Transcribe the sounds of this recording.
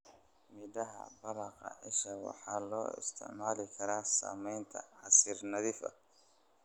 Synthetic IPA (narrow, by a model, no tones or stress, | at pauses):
mɪdɐɦɐ̰bɐɾɑqɐ̰ʔɪʃɐwɑ̰ħɑːlɔːɪ̰st̪ʰɪ̰ʕmaːlɪkʰɐɾaːsa̰ːmɛjnt̪ʰɐ̰ʕɑsɪrnɐðɪfɐ̰